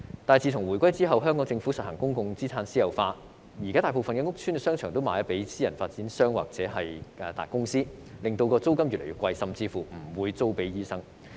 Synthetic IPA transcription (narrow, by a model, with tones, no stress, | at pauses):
t̪aː˨˩jt͡siː˨t̪ʰʊ˨˩ŋwuː˨˩jkʷɐ˥jt͡siː˥ɦɐ˨wɦœː˥ŋkɔː˨˥ŋt͡sɪ˧ŋfu˨˥sɐ˨t̚hɐ˨˩ŋkʊ˥ŋkʊ˧ŋt͡siː˥t͡sʰaː˧nsiː˥jɐ˨˩wfaː˧t̚ | jiː˨˩kaː˥t̪aː˨jpo˨wfɐ˨nkɛː˧ŋʊ˥k̚tʰy˥nkɛ˧sœː˥ŋt͡ʃʰœː˨˩ŋt̪o˥wmaː˨˧jɐ˥t̚pe˨˥jsiː˥jɐ˨˩nfaː˧t̚t͡si˨˥nsœː˥ŋwa̰ː˨k̚t͡sɛː˨˥ɦɐ˨jʔɛ˨˧t̪a̰ː˨˩jkʊ˥ŋsiː˥ | lɪ˨ŋt̪o˧wkɔː˧t͡so˥wkɐ˥mjyː˨tle˨˩jy˧˥kwɐ˧jsɐ˨mt͡siː˧fuː˨˩m̩˨˩wuː˨˧jt͡so˥wpe˨˥jjiː˥sɐ˥ŋ